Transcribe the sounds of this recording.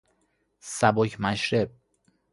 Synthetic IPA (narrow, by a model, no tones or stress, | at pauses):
sæbocʰmæʃɾeb̚